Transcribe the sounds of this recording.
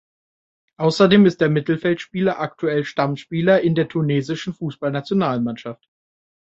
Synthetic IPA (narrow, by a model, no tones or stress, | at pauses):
ʔaʊsɐdeːmɪst̚d̥eːɐmɪtl̩fɛltʃpiːlɐʔaktʰuɛlʃtamʃpiːlɐʔɪndeːɐtʰuneːzɪʃn̩fuːsb̥alnat͡sjonaːlmanʃaft